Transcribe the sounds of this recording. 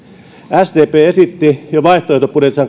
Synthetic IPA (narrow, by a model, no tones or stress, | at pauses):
æst̪eːpeːesit̪ːijoʋɑiht̪oˑeht̪opːunet̪sɑŋ